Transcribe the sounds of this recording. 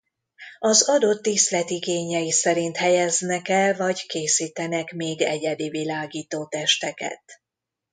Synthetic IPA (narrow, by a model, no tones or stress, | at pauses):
ɒzɒd̪o̞t̪ːist̪lɛt̪iɡeːɲɛjisɛɾint̪hɛjɛznɛkɛlvɒɟkeːsiːt̪ɛnɛkmeːɡɛɟɛd̪ivilaːɡiːt̪oːt̪ɛʃt̪ɛkɛ̰t̪